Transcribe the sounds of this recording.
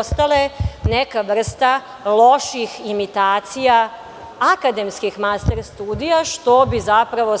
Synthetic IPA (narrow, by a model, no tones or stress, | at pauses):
st̪alene̞kaʋr̩st̪a | lˠo̞ʃiximit̪aːt̪sija | akad̪e̞mskixmast̪eɾst̪uːd̪ijaʃt̪o̞bizapɾaʋo̞